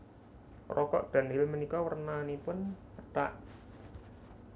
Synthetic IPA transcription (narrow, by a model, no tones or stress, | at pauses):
rɔkɔ̰ʔɖ̪̥a̤nɪlmənikɔwərnanipʊnpəʈa̰ʔ